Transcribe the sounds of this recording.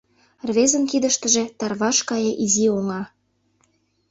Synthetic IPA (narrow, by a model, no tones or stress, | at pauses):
rβezənkid̪əʃt̪ə̆ʒet̪ɑrβɑʃkɑjeʔizioŋɑ